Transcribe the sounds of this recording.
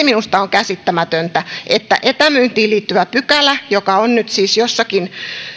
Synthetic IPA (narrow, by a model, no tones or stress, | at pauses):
minust̪ɑoŋkæsit̪ːæmæt̪ønt̪æʔet̪ːæ̰ʔet̪æmyːnt̪iːliːt̪ːyʋæpykælːˑæjokɑonnyt̪siːsjosːɑkin